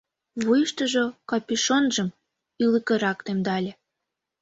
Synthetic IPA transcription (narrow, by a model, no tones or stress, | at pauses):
βujʃt̪ə̆ʒokɑpiʃonʒə̆m | iləkĕɾɑkt̪emd̪ɑlʲe